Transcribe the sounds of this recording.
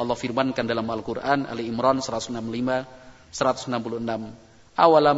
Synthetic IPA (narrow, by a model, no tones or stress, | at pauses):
ɔlːɔhfirmankandalamalkurʔana̰liːmɾɔnsəɾat̪u̥sənamlima | səɾat̪u̥sənampuluhənam | ʔawala